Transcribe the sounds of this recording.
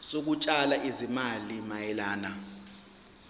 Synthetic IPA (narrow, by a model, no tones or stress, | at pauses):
sok̬ut͡ʃʼalaʔizimalimajɛlaːna